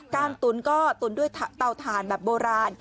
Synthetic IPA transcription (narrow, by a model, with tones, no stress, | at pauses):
kaː˧nt̪u˨˩˦nkɔː˥˩t̪u˨˩˦ndu˥˩əjt̪ʰːt̪a˧wt̪ʰaː˩˦nbɛː˨˩p̚boː˧ɾaː˧n